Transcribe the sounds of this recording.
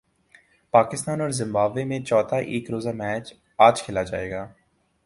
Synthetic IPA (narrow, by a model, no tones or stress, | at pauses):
paːkɪst̪aːnɔːɾzɪ̃mbaːbeːmẽːt͡ʃɔːt̪ʰaːʔeːkɾoːzaːmɛːt͡ʃ | aːd͡ʒkʰeːlaːd͡ʒa̰ːḛːɡaː